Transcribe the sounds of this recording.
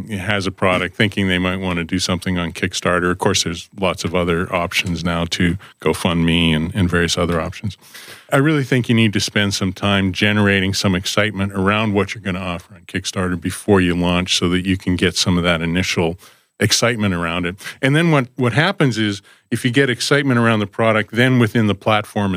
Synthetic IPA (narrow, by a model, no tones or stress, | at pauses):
ɪɦɨzɨpʰɹ̥ɑɾɨk̚t̪̚θɪ̃ŋkɪ̃ŋðeɪmaɪt̚wɑ̃ñɨdɨsʌ̃mθɪ̃ŋə̃nkʰɪkstɑɹɾə˞ʌv̥kʰɔɹsðə˞zlɑtsʌvʌðə˞ʔɑpʃn̩znaʊɾʰɨɡ̥oʊfʌ̃nmiɨ̃nɨ̃nvɛɹiɨsʌðə˞ɑpʃn̩z̥ʔaɪɹɪlˠiθɪ̃ŋkjɨnid̚tɨspɛ̃nd̥sʌ̃mtʰãɪ̃md͡ʒɛnə˞eɪɾɪ̃ŋsʌ̃mɨksaɪt̚mɨ̃ñə˞ãʊ̃nd̚wʌt͡ʃə˞ɡʌñəɑfə˞ɨ̃nkʰɪkstɑɹɾə˞bɨfɔɹjɨlɔ̃nt͡ʃsoʊðɨt͡ʃɨkʰn̩ɡɛtsʌ̃mʌvðɨɾɨnɪʃl̩ˠ | ɨksaɪt̚mɨ̃ɾ̃ə˞ãʊ̃ndɨt̚ɨ̃nðɨ̃nwʌt̚wʌt̚ɦæpɨ̃nzɪz | ɨfjɨɡɛɾɨksaɪt̚mɨ̃ɾ̃ə˞ãʊ̃nðəpʰɹ̥ɑɾɨk̚t̪̚ðɨ̃nwɨθɪ̃nðəpʰl̥ætfɔɹm